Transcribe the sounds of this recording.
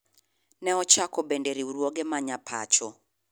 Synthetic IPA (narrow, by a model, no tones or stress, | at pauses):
nɛɔt͡ʃakɔbendeɾiuɾwoɡemaɲapʰa̰t͡ʃɔ